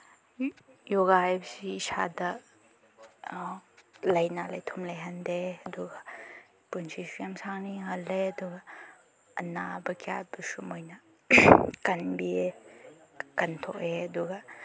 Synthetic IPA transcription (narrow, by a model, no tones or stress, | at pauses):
joɡajbɐsiːsa̰dɐ | lɐjnalɐjtʰumlɐjɦɐndeɐduɡɐ | punsisujamsaŋniɦɐlːeɐduɡɐ | ɐ̰nabɐkʰija̰busumojnɐ | kɐnbie | kɐntʰoʔeɐduɡɐ